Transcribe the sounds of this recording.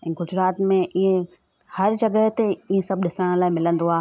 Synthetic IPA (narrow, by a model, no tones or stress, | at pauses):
ɛ̃ːɡʊd͡ʑɾaːt̪mẽʔiẽ | hɐɾd͡ʑɐɡəɦt̪eiːẽsɐb̚ʱɗɪsəɽ̃laːɪmɪlə̃nd̪oaː